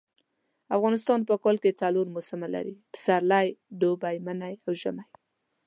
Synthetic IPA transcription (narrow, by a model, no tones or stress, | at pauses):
afɣɑnɪst̪ɑnpəkɑlket͡saloɾmosɪmala̰ɾipɪ̥saɾlajd̪obajmanajawʒəmaj